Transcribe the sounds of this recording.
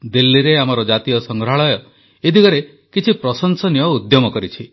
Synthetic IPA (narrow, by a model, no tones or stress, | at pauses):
d̪ilːiɾeamɔɾɔd͡ʒat̪ijɔsɔŋɡɾaɭɔjɔ | et̪ikɔɾe | kit͡ʃʰipɾɔsɔnsɔnijɔud̪jɔmɔkɔɾit͡ʃʰi